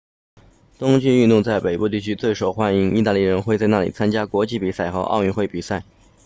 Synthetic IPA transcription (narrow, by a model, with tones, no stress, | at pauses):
t̪ʊ˥ŋt͡ɕy˥˧y˥˧nt̪ʊ˥˧ŋt͡sa˥˩ɪpe˨˩ɪpu˥˧t̪i˥˩t͡ɕʰy˥t͡swe˥˩ɪʂo˨˩ʊxwa˥ni˧˥ŋi˥˧t̪a˥˧li˥˩ɻə˧˥nxwe˥˧t͡sa˥˧ɪna˥˩lḭ˨˩t͡sʰa˥nt͡ɕja˥kwɔ˧˥t͡ɕi˥˩pi˨˩sa˥˩ɪxɤ˧˥ʔɑ̰˥˧ʊy˥˧nxwe˥˩ɪpi˨˩sa˥˩ɪ